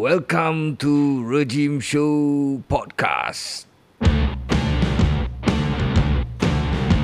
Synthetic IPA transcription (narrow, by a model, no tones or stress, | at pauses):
wɛlkə̃mtuɹed͡ʒĩmʃopɔd̚kʰa̰st